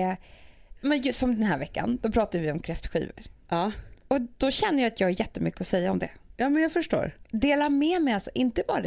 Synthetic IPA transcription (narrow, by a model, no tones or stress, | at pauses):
mɛnjsɔmd̪ɛnhæːɾvɛkːa̰nd̪ɔpʰɾɑːt̪ad̪əvɪɔmkʰɾɛft̪ɧḭːvə̰ɾɑːɔd̪̥ɔɕɛnːəjaat̪jɑːɡhaɾjɛt̪ːəmʏ̰kːəɔsɛjːaɔmd̪ɛ̰jɑːmɛnjɑfəʂʈo̰ːɾd̪eːlamɛmɛjalsɔʔɪnt̪əbɑ̰ːɾad̪